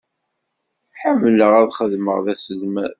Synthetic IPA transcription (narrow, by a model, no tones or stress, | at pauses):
ħamːləʁæðχəðməʁðæsəlmæð